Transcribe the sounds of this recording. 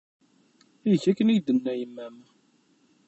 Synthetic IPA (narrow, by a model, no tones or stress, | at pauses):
ijçækːəniʝd̪ənːæjəmːæm